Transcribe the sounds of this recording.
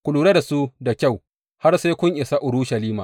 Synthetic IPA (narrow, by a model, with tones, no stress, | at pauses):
kʷʊ˨luː˨ɾe˦da˨su˦da˨kʲa˦˨w | ha˦rsa˦kʷʊ˦ɲʔɪ˨sa˦ʔʊ˨ɾuː˦ʃɐ˨liː˦ma̰ː˨